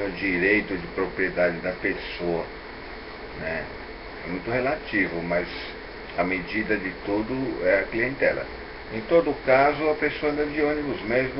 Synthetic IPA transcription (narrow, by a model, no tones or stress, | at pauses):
ʊd͡ʒiɾejt̪ʊd͡ʒɪpɾopɾied̪ad͡ʒɪd̪ɐpesoɐ | nɛ | ɛmũj̃t̪ʊhelat͡ʃivʊmɐz | ɐmed͡ʒid̪ɐd̪ɪt̪ud̪ʊɛɐkliẽnt̪ɛlɐ̰ | ẽj̃t̪od̪ʊkazʊɐpesoɐ̃nd̪ɐd͡ʒiõnibʊzmezm